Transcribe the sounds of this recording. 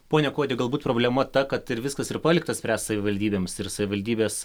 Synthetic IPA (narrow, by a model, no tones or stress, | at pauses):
poːnʲɛkoːd̪ʲeɡɐlˠbuːt̪pɾoːbʲlʲɛmɐt̪ɐkɐt̪ɪɾʋʲɪskɐsɪɾpɑːlʲɪkt̪ɐsʲpʲæːssɐʋʲɪʋɐlʲd̪ʲiːbʲeːmsɪɾsɐʋʲɪʋɐlʲd̪ʲiːbʲeːs